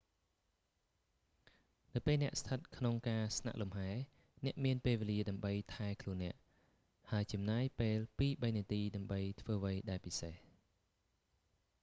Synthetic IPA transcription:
nɨwpeːlnɛ̆əʔst̪ʰət̪̚kʰnoŋkaːsna̰ʔlumhaɛ | nɛ̆əʔmiənpeːlʋeːliəɗaəmɓəjt̪ʰaɛkʰluənːɛ̆əʔ | haəjt͡ɕɑmnaːjpeːlpiːɓəjniət̪iːɗaəmɓəjt̪ʰʋəːʋəjɗaɛpiseh

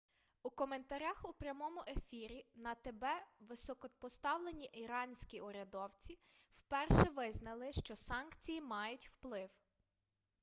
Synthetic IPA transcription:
ukɔme̞nt̪ɐɾʲaxupɾʲjɐmɔmʊʔefʲiɾʲinɐt̪ebɛʋɪsɔkɔpɔst̪ɑwlˠenʲiʔiɾɑnʲsʲkʲiʔɔɾʲɐd̪ɔwt͡sʲiw̥pɛrʃɛʋɪznɐlˠɪʃt͡ʃɔsɑnkt͡sʲijimɑjʊtʲw̥plˠɪw

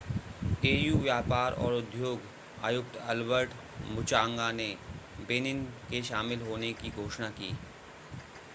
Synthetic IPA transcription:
eːjuːʋjaːpaːɾɔ̰ːɾʊd̪joːɡ | a̰ːjʊk̚t̪ɐlʋəɾʈ | mʊt͡ʃaːŋɡane | beːnɪnkeʃaːmɪlɦoːnekiɡʱoːʃnakiː

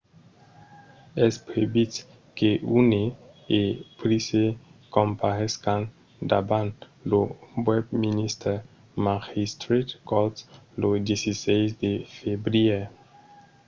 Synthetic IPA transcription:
ɛspɾebit | keʔune | epɾisekõmpaɾɛskãn | d̪a̰bãn | lobwɛbminist̪ɛ | maʁist̪ɾit̪kɔlt̪lod̪jesisɛjsd̪efebɾie

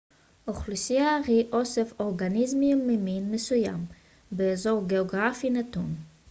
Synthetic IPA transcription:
ʔoχlusiaʁiʔo̞sefo̞ʁɡanizmimːeminmesuja̰m | beːzo̞ʁɡeoɡʁafinatun

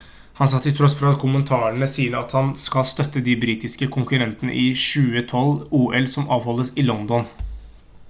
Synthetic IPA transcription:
hɑnsɑːt̪ʰɪlt̪ʰɾɔsfɔɾɑt̪kʰʊmənt̪ʰɑːəɳəsiːənɑt̪hɑnskɑlst̪œt̪ːəd̪ɪbɾiːt̪ɪskəkʰʊŋkʉɾɛnt̪ənə̰ʔɪʃʉːət̪ʰɔluːʔɛlsɔmɑːʋhɔlːəsɪlɔnd̪ɔn

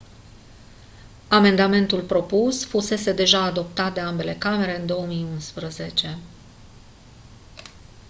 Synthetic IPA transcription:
ame̞nd̪ame̞nt̪ulpɾo̞pusfuse̞se̞d̪e̞ʒaːd̪o̞pt̪at̪̚d̪e̞ambe̞le̞kame̞ɾe̞ɨnd̪o̞əmijunspɾəze̞t͡ʃe̞

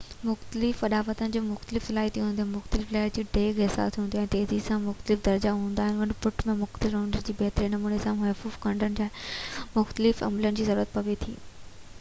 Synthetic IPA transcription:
mʊxt̪əlɪfɐɗaːʋət̪ənɪ̆d͡ʑoːmʊxt̪əlɪfsɪlaːɦit̪ʰiɦũnd̪oɦmʊxt̪əlɪfleːəɾd͡ʑiːɖeːɡesa̰ːst̪ʰiɦũːnd̪oɛ̃ːt̪eːzisãmʊxt̪əlɪfd̪ɐɾd͡ʑaɦũːnd̪aːɦɪnʋɐɳpʊʈmẽmʊxt̪əlɪfɾãːɳɖəɾd͡ʑiːbɛɦt̪ɾenɐmuːnesãmɐːfuːfkɐ̃ɳɖənɪ̆d͡ʑaːmʊxt̪əlɪfɐ̰mlənɪ̆d͡ʑiːzɐɾuːɾət̪̚pɐʋet̪ʰḭː

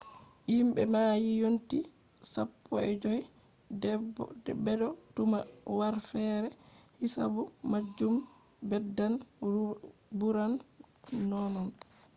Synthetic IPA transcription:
jimɓɛmaːjijonti | sapʰːɔɛd͡ʒoj | bɛdɔtumawaɾfɛːɾɛhisabumad͡ʒːum | bɛdːan | buɾanː | ɔnɔn

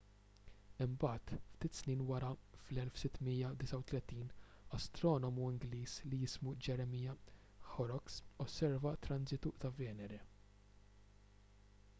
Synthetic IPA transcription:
ɪmbɐːt̪ft̪iːt̪sniːnwɐɾɐflɛlfsɪt̪ːmiːjɐd̪ɪsɐwt̪lɛt̪iːn | ɐst̪ɾɔːnɔmuɪŋɡliːslijɪsmud͡ʒɛɾɛmiːjɐ | xɔɾɔksɔsːɛɾvɐt̪ɾɐnzɪt̪ut̪ɐvɛːnɛɾɛ

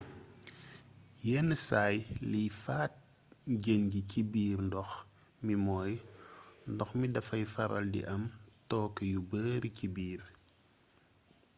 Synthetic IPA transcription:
jɛːnːəsaːjlijfaːt̚ | ɟənɟicibiːrndɔx | mimɔːj | ndɔxmidɐfɐjfɐɾɐ̰ldḭʔɐmtɔːkəjubəːɾicibiːr

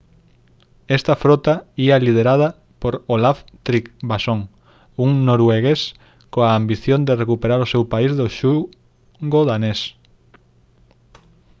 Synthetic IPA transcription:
est̪ɐfɾot̪aiɐlið̞eɾað̞ɐ | poɾolaft̪ɾikbasoŋ | uŋnoɾweɣes | koaːmbiθjond̪erekupeɾaɾosewpaizðoʃu | ɡoðanes

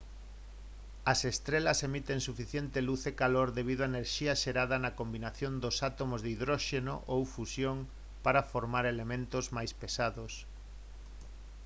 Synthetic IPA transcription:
ɐsest̪ɾelɐsemit̪eŋsufiθjent̪eluθekaloɾðeβ̞iðoaeneɾʃiɐʃeɾaðɐnɐkombinaθjond̪osat̪omozðiðɾoʃeno̰ʔowfusjoŋ | paɾafoɾmaɾelemẽnt̪ozmajspesaðos

